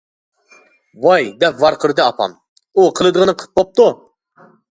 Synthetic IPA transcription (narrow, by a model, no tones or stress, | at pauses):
vɑjd̪ɛpvɑɾqʰəɾɨd̪ɨɑpʰɑ̰m | uqʰəlˠɨd̪əʁənɨqʰə̥p̚bop̚t̪u